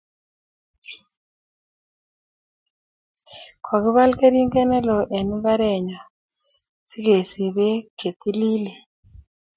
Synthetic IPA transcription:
kʰwa˨ki˦βa˦lke˦ɾi˦ŋɡɛ˦nɛ˦lɔ˨ʔe˨ni˦ba˦ɾɛ˨ɲa˨ | si˦ɡe˨si˨βɛ˦ɡ̥ʱe˨t̪i˦li˦lɛ˨

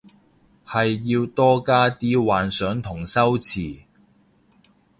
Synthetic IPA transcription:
hɐ˨jːiː˧wt̪ɔː˥kaː˥t̪iː˥waː˨nsœː˨˥ŋt̪ʰʊ˨˩ŋsɐ˥wt͡sʰiː˨˩

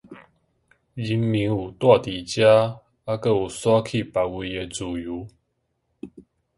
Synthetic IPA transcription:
d͡ʑi˨˦mmi˨˦ŋu˨˩t̪wa˥˧t̪i˨˩t͡ɕja˦ | a˦kə˥˧˨u˨˩swa˦kʰi˥˧˨pa˨˩wi˧e˧t͡su˨˩ju˨˦

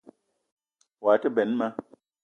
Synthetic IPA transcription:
wa˨tə˦bɛ˨˦nma˦

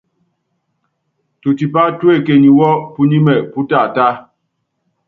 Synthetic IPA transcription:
tu˨ti˨pa˦twe˦˨ke˨ɲi˨wɔ˦pu˦ɲi˦mɛ˨pu˦ta˦˨ta˦

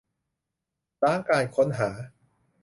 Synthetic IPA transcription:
taː˥˩ŋkaː˧jkʰo˦˥nɦaː˩˦

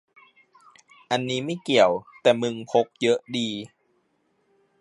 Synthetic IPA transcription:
ʔa˧nːiː˦˥ma˥˩jki˨˩əwt̪ɛː˨˩mɯ˧ŋpʰo˦˥k̚jɤ˦˥ʔdiː˧

